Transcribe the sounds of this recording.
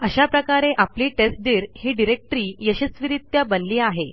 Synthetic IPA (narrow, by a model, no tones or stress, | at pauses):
əɕapɾəkaɾeʔapliːʈesʈ̚d̪iːɾhiːɖiɾek̚ʈɾiːjəɕəsʋiɾit̪jabənliːaɦe